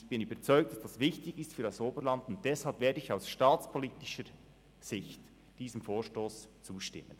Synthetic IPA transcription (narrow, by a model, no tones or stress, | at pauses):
çb̥ɪnyːbəɾt͡sɔʏk̚td̥asd̥asvɪçtɪçɪstfyːɾdɑsoːbəɾlɑndʊnt̚d̥ɛshɑlpveːɐdəɪçaʊsʃtɑːt͡spʰoliːtɪʃəɾ | z̥ɪçt | d̥iːzəmfoːʃtoːst͡suːʃtɪ̰mən